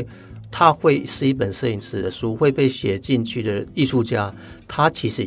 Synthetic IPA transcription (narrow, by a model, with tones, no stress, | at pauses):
t̪ʰa˦xwe˥˧ɪʂɻ̩˥˧i˥˩p̬ə˨˩nsɤ˥˧i˧˩ŋt͡sʰɹ̩˨˩d̪ə˨ʂu˥xwe˥˧ɪpe˥˧˩ɪɕjɛ˨˩t͡ɕi˥˧nt͡ɕʰy˥˩d̪ə˩i˥˧ʂu˥˧t͡ɕja˥ | t̪ʰa˥t͡ɕʰi˧˥ʂɻ̩˧